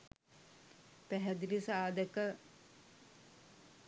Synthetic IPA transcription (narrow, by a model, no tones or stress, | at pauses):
pɛɦɛd̪ilisaːd̪ɛkə